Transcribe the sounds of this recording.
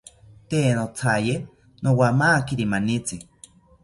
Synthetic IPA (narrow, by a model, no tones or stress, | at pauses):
t̪enot͡sʰaje | nowamaːkiɾimanit͡sɨ